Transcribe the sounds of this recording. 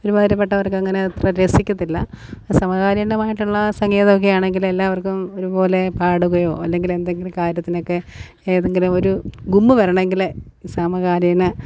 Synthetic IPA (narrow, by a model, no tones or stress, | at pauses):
oɾumɐðɐɾɐp̬ːeʈːɐʋɐrkɨɐŋːɐne̞t̪rɐɾesikʲːɐt̪ːilːɐ | sɐmɐɣaːɾjɐnɐmaːjiʈːuɭːɐsɐŋɡeːðɐmok̬ːejaːɳe̞ŋɡile̞lːaːʋɐrkumo̞ɾupo̞ːle̞paːɽuɣɐjo̞ːɐlːe̞ŋɡile̞nd̪eŋɡilumkaːɾjɐt̪ːino̞kːe̞ː | ðeŋɡilumo̞ɾuɡumːɨʋɐrɐɳɐeŋɡilsɐmɐɣaːɾjɐnɐ